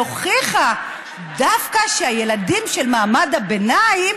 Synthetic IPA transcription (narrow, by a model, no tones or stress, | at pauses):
oχiχa | dafkaʃeaje̞ladimʃe̞lmaːmadabenaim